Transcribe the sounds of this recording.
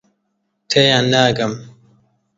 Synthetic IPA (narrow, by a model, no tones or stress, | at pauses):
t̪ʰejanːaːɡɐm